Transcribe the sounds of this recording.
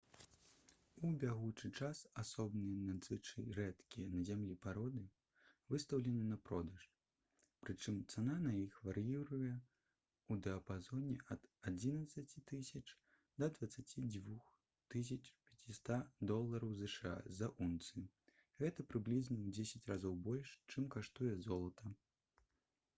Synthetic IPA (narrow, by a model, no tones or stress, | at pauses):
ubʲaɣut͡ʂɨt͡ʂasasɔbnɨjɛnad̪zɨt͡ʂɨɾɛt̪kʲijɛnɐzʲamlʲipaɾɔd̪ɨ | vɨst̪ɐwlʲɛnɨnɐpɾɔd̪ɐʂ | pɾɨt͡ʂɨmt̪sananajixvaɾɨjiɾujɛ | ud̪ɛɐpazɔnʲɛʔɐd̪ad͡zʲinɐt̪sɐt͡sʲit̪ɨsʲɐt͡ʂ | d̪ɐd̪vɐt̪sːat͡sʲid͡zʲvux | t̪ɨs̬ʲɐt͡ʂpʲɐt͡sʲist̪ad̪ɔlˠːɐɾɐwzɛʂɨa̰zɐʔunt̪sɨ | ɣɛt̪ɐpɾɨblʲiznɐwd͡zʲesʲɐt͡sʲɾazɔwbɔlʲʂt͡ʂɨmkaʂt̪ujɛzɔlˠɐt̪ʰɐ